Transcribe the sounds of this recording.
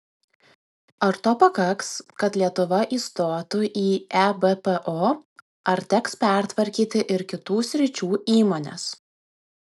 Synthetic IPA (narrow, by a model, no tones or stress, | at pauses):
ɐɾt̪oːpɐkɐkskɐt̪lʲiɛt̪ʊʋɐʔiːst̪oːt̪uʔiːæbepɛʔoː | ɐɾt̪ʲɛkspʲæˑɾʲt̪ʋɐɾʲkʲiːt̪ʲɪʔɪɾkʲɪt̪uːsʲɾʲɪt͡ʃʲuːiːmoːnʲɛ̰s